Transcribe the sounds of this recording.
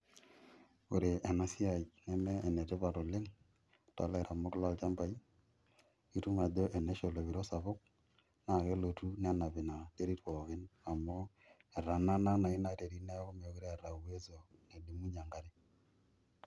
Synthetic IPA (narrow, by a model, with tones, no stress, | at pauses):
o˨ɾe˨ʔe˨na˦si˦a˨jnɛ˦mɛː˦˨ne˨te˦βa˨ɾo˨le˦ŋ | ta̰˨la˦˨ɾa˨mo˦kɪ˦la˦lt͡ʃa˦mba˨i˦ | i˦tu˦ma˨do˦ʔe˨ne˦ʃo˨lo˨βi˨ɾo˦sa˨βo˦k̚ | na˨ɣe˦lo˨tu˦n˦a˦na˨βe˨na˨te˦ɾi˦twɔ˨ɣe˦na˨mo˦ | e˨ɾa˨na˦na˦na˨i˦na˨te˨ɾi˦ne˦ɣo˦me˨˦ɣo˦ɾe˦a˨ɾa˨uwe˦zo˨ne˨di˨˦mu˦ɲa˨ŋɡa˦ɾe˦